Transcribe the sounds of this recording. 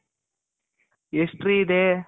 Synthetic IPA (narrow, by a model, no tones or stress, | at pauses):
eʂʈriːd̪eː